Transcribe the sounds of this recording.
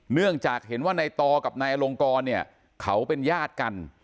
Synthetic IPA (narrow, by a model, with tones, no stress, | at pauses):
nɯ˥˩əŋt͡ɕaː˨˩k̚he˩˦nwaː˥˩na˧jt̪ɔː˧ka˨˩p̚naː˧jlo˧ŋkɔː˧nːi˥˩ɐ | kʰa˦˥wpe˧njaː˥˩t̪̚ka˧n